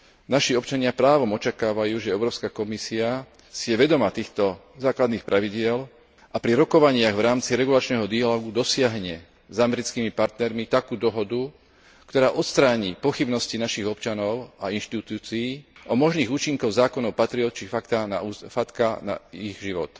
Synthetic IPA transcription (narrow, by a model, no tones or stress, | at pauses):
naʃiɔpt͡ʃaɲɪapɾaːʋɔmɔt͡ʃakaːʋajuːʒɛɛʊɾɔːʊskakɔmisia | sijɛʋɛd̪ɔmat̪iːxt̪ɔ | zaːklad̪niːxpɾʔaʋiɟɪɛl | ʔapɾiɾɔkɔʋaɲɪaɣʋɾaːmt͡siɾɛɡulat͡ʃnɛːɦɔd̪ialɔːɡud̪ɔsɪaɦɲɛ | zamɛɾit͡skimipaɾt̪nɛɾmit̪akuːd̪ɔɦɔd̪u | kt̪ɔɾaːʔɔt̪st̪ɾaːɲiːpɔxibnɔscinaʃiɣɔpt͡ʃanɔʊainʃt̪it̪uːt͡siːʔɔmɔʒniːɣuːt͡ʃiŋkɔʊzaːkɔnɔʊpat̪ɾiɔt̪̚t͡ʃifakt̪ana̰uːfat̪kana̰iɣʒiʋɔ̰t̪